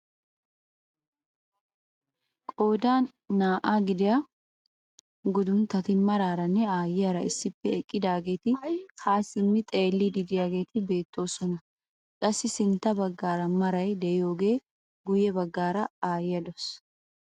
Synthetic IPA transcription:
kʼo̞ːd̪aːnː | aːʔaɡɪd̪ɪjɐ | ɡʊd̪ʊnt̪ːɐt̪ɪmɐɾaːɾɐnːɛaːjɪjɐɾɐɪsːɪpːɛɛkʼːɪd̪aːɡe̞ːt̪ɪkaːsɪmːɪt̪ʼe̞ːlːɪd̪ɪd̪ɪjaːɡe̞ːt̪ɪbe̞ːt̪ʰːo̞ːsɔnɐ | kʼɐsːɪsɪnt̪ːɐbɐɡːaːɾɐmɐɾɐjd̪ɛɪjo̞ːɡe̞ː | ɡʊjɛbɐɡːaːɾɐaːjɪjɐd̪os

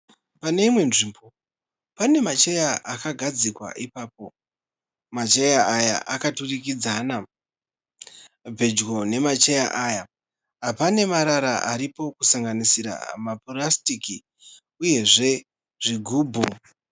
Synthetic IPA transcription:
pane̞imwe̞nʐimbo̞ | pane̞mat͡ʃe̞jaʔakaɡʱad͡zikwa̰ʔipaːp̚o̞ | mat͡ʃejaʔːja̰ʔakaturikid͡zaːna | b͡vʱe̞d͡ʒɣo̞ne̞mat͡ʃeja̰ʔaːja | ɦapane̞maɾaɾaʔaɾipo̞kusaŋɡanisiɾa̰maporastiki | uje̞ʐe̞ | ʐ̥iɡʱuːbʱu

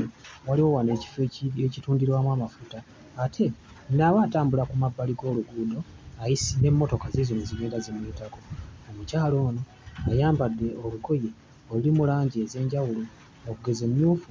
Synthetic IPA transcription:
waliwo̞waneci̥fecituːndiɾwamwaːmafutaː | tʰe̞ | naβaːtaːmbulakumabːaliɡo̞ːluɡuːdo̞ | ajisine̞mːo̞to̞kazezomiziɡeːndazemweːtako̞omucaːlo̞ːno̞ | ajaːmbadːe̞o̞luko̞je̞ | olulimulaːɲɟieze̞ːɲɟawulo | okuɡe̞ze̞mjuːfu

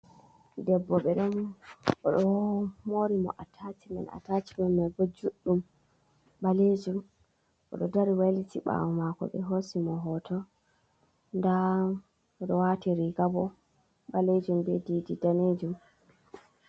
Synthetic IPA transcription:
dɛbːɔɓɛɗɔnɔɗɔmoɾimɔ̰ʔatʰatimɛ̰na̰tat͡ʃimɛnmɔɡɔd͡ʒuɗːum | ɓaled͡ʒum | ʔɔ̰ɗɔdaɾiwalitiɓa̰wɔmakɔ̰ɓɛ̰ɦosimɔɦɔtʰɔ | nda | ɔɗɔwatiɾiɡabɔ | ɓaled͡ʒumbɛdididaned͡ʒum

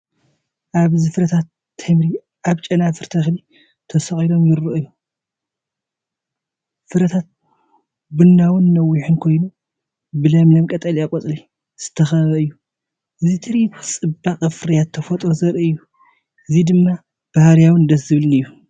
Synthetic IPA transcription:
ʔaβzɨfɨɾɐt̪ʰat̪ʰː | ɐmɾi | ʔaβt͡ʃʼɐnafɨɾt̪ʰɐxli | t̪ʰɐsɐxʼilo̞mjɪɾːɨʔɨjːu | fɨɾɐt̪ʰat̪̚ | bɨnːawɨnːɐwːiħɨnkʰo̞jnu | bɨlɐmlɐmkʼɐt̪ʼɐliakʼot͡sʼli | z̥ɨt̪ʰɐxɐβɐɨjːu | ʔɨzit̪ʰɨɾit͡sʼɨbːaqʼɐfɨɾɐjat̪ʰːɐfot̪ʼɾozɐɾɨɨjːu | ʔɨzid̪ɨmːa | b̥ahaɾjawɨnd̪ɐszɨβlɨnɨjːu

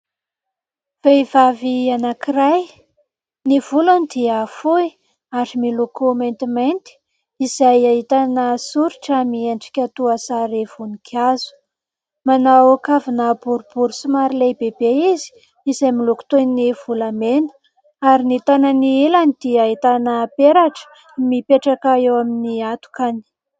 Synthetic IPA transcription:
v̥ejvavianakiraj | niv̥ulanid̪iafui | aɾimilokomejnt̪imajnt̪i̥ | izajaɦit̪anəsuɾiʈ͡ʂamieɳɖ͡ʐi̥kʲat̪uasaɾev̥unikʰazu̥ | manawakavinabuɾub̥uɾusimaɾilejbebeizi̥ | izajmiluku̥t̪enniv̥ulamenə̥ | aɾinit̪ananiilanid̪̥iaɦit̪anəpeɾaʈ͡ʂə̥ | mipeʈ͡ʂakaewaminiat̪u̥kani̥

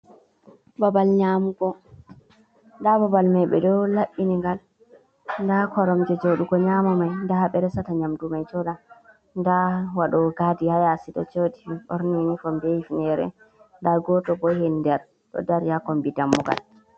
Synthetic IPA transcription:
babalɲamuɡɔ | ndababalmajɓɛ̰dɔlaʔiniŋɡal | ndakɔɾɔmd͡ʒɛd͡ʒoɗuɡɔɲamamajndaɓɛɾɛsataɲamdumajt͡ʃɔɗa | ndawaɗɔɡadihajasitɔ̰t͡ʃodiʔɔ̰ɾninifɔmbɛifinɛɾɛ̰ | ndaɡɔtɔbɔhɛndɛɾ | tɔ̰daɾijakɔmbidamːuɡa̰l

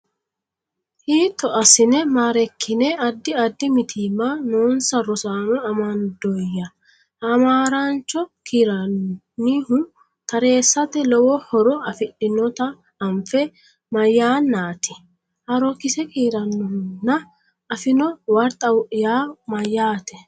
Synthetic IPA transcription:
hiːt̪ːɔʔɐsɪnɛmaːɾɛkʰːɪnɛɐd̪ːɪɐd̪ːɪmɪt̪ʰiːmːanoːnsɐɾɔsaːnɔɐmɐnd̪ɔjːɐ | ɐmaːɾant͡ʃːɔkʰiːɾɐnː | iːhʊ | t̪ɐɾe̞ːsːɐt̪ɛlɔwɔhɔɾɔɐfɪɗɪnɔt̪ɐː | mfɛ | mɐjːaːnːaːt̪ɪ | hɐɾɔkɪsɛkiːɾɐnːɔhʊnːɐ | ɐfɪnɔwɐɾt̪ʼɐwjaːmɐjːaːt̪ɛ

